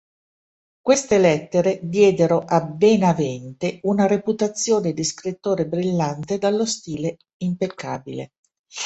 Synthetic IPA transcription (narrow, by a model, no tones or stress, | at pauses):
kwest̪elɛt̪ːeɾed̪jɛːd̪eɾoʔabːenavɛnt̪eunaɾeput̪at̪sːjoːned̪iskɾit̪ːoːɾebɾilːant̪ed̪alːost̪iːle | impekʰːa̰ːbilḛ